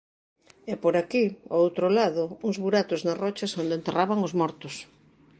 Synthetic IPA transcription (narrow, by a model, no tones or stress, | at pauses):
ɛpoɾakio̰owt̪ɾolaðʊuŋzβuɾat̪ʊznarɔt͡ʃɐsond̪ent̪eraβaŋozmɔɾt̪ʊs